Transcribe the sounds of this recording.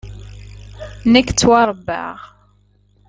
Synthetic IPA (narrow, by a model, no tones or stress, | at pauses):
nækːt͡sːwɑɾˤbːa̰ʁ